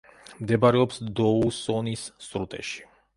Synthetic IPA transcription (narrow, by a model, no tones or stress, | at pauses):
md̪ɛbaɾɛɔpsd̪ɔusɔnisːɾut̪ʼɛ̰ʃi̥